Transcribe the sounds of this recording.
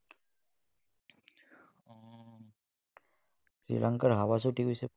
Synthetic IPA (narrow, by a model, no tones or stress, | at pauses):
sɾḭlʔaŋkaɾɦawas̬uʈikuse